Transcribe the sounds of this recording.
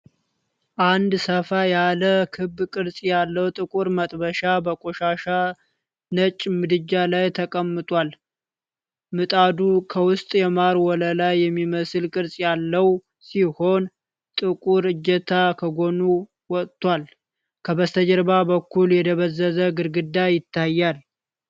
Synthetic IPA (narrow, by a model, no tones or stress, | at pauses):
ʔand̪səfajaləkʰɨbːkʼɨɾsʼjalːəwt̪ʼɨkʼuɾmət̪ʼbəʃabəkʼoʃaʃa | nət͡ʃʼːmɨd̪ɨd͡ʒːalajt̪ʰəkʼəmːɨt̪ʼwal | mɨt̪ʼad̪ukʰəwʊst̪ʼjɛmaɾwɔləlajːɛmːiməsɨlkʼɨɾsʼjalːəw | siho̞n | t̪ʼɨkʼuɾɨd͡ʒːət̪ʰakʰəɡo̞nu | wɔt̪ʼt̪ːwal | kʰəβəst̪ʰəd͡ʒəɾbabəkʰːuljɛd̪ʰəβəzːəzəɡɨɾɡɨd̪ːajɪt̪ʰːajːal